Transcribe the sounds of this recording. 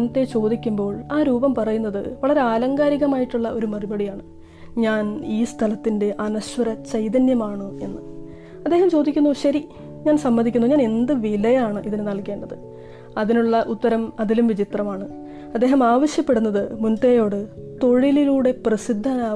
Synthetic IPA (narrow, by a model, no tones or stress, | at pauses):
nt̪ːe̞t͡ɕo̞ːd̪ikʲːumbo̞ːɭaːɾuːbɐmpɐrɐjunːɐðɨ̰ʋɐɭɐɾe̞aːlɐŋɡaːɾiɣɐmaːjiʈːuɭːɐʔo̞ɾumɐribɐɽijaːɳɨ | ɲaːniːst̪ʰɐlɐt̪ːinde̞ʔɐnɐɕʋɐɾɐt͡ɕɐjd̪ɐnjɐmaːɳɨe̞nːɨ | ɐd̪ːe̞ːɦɐmt͡ɕo̞ːd̪ikʲːunːuɕɐɾi | ɲaːnsɐmːɐnd̪ikʲːunuɲaːne̞nd̪ɨʋilɐjaːɳɨʔiðinɨnɐɭke̞ːɳɖɐðɨ | ɐðinuɭːɐʔut̪ːɐɾɐmɐðilumʋit͡ɕit̪rɐmaːɳɨ | ɐd̪ːe̞ːɦɐmaːʋɐɕjɐpːe̞ɽunːɐðɨmunt̪ejo̞ːɽɨ | t̪o̞ɻililuːɽe̞prɐsid̪ʱːaːnaː